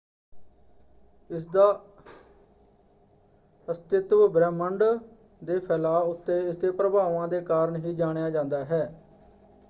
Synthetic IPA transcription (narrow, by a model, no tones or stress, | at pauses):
ɪsd̪aː | əst̪ɪt̪ʋbɾɛːməɳɖ | d̪eːpʰɛːlaːʊt̪ːeːɪsd̪eːpɾəbaːʋãːd̪eːkaːɾəɳɦiːd͡ʒaːɽ̃ejaːd͡ʒãːnd̪aːɦɛː